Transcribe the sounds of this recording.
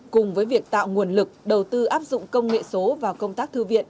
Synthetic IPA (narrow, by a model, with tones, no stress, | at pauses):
kʊ˨˩ŋ͡mvəː˨˦jvi˨˩ək̚t̪a̰ː˧˨wŋu˨˩ənlɨ˨˩k̚ɗə˨˩wt̪ɨ˧ʔaː˦˥p̚zʊ̰˧˨ŋ͡mkə˧wŋ͡mŋḛ˧˨so˨˦vaː˨˩wkə˧wŋ͡mt̪aː˦˥k̚t̪ʰɨ˧vḭ˧˨ən